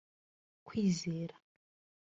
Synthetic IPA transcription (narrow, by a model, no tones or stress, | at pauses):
kwiːzeːɾḁ